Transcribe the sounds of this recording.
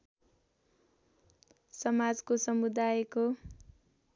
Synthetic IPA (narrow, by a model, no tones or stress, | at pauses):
sʌmad͡zkosʌmud̪ajko